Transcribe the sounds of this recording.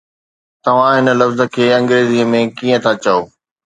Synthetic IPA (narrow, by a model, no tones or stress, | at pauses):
t̪ɐʋ̤ãɦɪnə̆lɐfzə̆kʰeːɐ̃ŋɡɾeːziəmẽkiːə̃t̪ʰat͡ɕɐoː